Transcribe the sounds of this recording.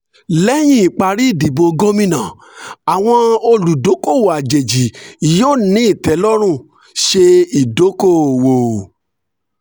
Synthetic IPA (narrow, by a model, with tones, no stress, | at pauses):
lɛ˦j̃ĩ˦i˨k͡pa˧ɾi˦i˦˨di˨bo˧ɡo˦mĩ˧nã˨ | a˨w̃ɔ̃˧o˧lu˨do˨˦ko˦˨wo˨a˨d͡ʒe˨d͡ʒi˨joː˦˨nĩ˨˦i˦˨tɛ˨˦lɔ˦ɾ̃ũ˦˨ | ʃe˧i˨do˨˦ko˦˨wo˨